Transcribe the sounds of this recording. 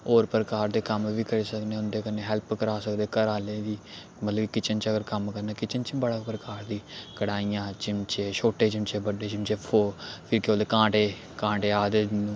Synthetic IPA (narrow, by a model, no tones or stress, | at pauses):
oːɾpəɾəkaːɾd̪eːkəmʋiːkəɾeːsəkneːʊnd̪eːkəneːɦɛlpkəɾaːsəkd̪eːkəɾaːleːʋ̪iː | mət̪ləbkɪt͡ʃənt͡ʃəɡəɾkəmkəɾnaːkɪt͡ʃənt͡ʃbəɽaːpɾəkaːɾd̪iːkəɽaːiːjãːt͡ʃɪmt͡ʃeːʃoːʈeːt͡ʃɪmt͡ʃeːbəɖeːt͡ʃɪmt͡ʃeːpʰoːpʰɪɾkeoːd̪eːkãːʈeː | kãːʈeːaːd̪eːnũː